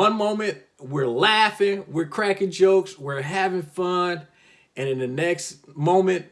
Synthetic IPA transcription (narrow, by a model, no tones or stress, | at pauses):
ʌ̃nmõʊ̃mɨ̃nʔ | wɪɹlæfɪ̃ŋwɪɹkʰɹ̥ækɪ̃ŋd͡ʒoʊkswɪɹɦævɪ̃ŋfʌ̃n | ɨ̃nɨ̃nðɨnɛksmõʊ̃mɨ̃nt̚